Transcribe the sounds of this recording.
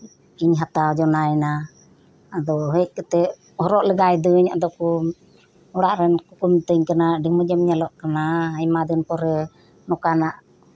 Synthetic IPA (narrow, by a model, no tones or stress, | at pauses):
iɲɦat̪awd͡ʒɔnajɛna | ad̪ɔɦəc̚ˀkɛt̪ɛ | hɔɾɔʔlɛɡajd̪əɲa̰d̪ɔku | ɔɽaʔɾɛnkukumt̪əɲkanaɖiməd͡ʒəmɲalɔʔkanaajmad̪ənpɔɾɛ | nɔkanaʔ